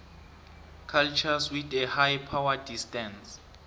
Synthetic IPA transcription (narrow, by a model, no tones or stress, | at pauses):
kʰalt͡ʃʰaswidɛhajpʰawadistɛns